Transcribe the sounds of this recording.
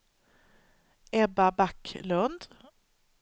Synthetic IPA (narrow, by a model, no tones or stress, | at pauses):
ɛbabakʰːlɵnd̪